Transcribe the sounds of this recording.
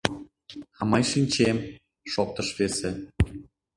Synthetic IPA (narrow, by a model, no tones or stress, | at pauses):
ɑmɑjʃinʲt͡ɕem | ʃok̚t̪əʃβese